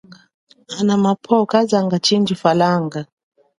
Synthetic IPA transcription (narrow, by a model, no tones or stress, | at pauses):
anamapʰɔkazaŋɡat͡ʃind͡ʒifalaŋɡa